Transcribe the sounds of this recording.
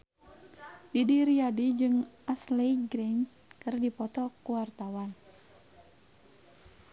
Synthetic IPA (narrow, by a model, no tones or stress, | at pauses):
didiɾiadid͡ʒɨŋasleiɡɾɛn | kɨrdipɔt̪ɔkuwart̪awan